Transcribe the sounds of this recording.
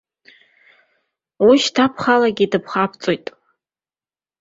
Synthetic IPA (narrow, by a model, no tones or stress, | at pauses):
wiʃtʰapʰχalaɡʲidɨpʰχapʰt͡sʼojtʼ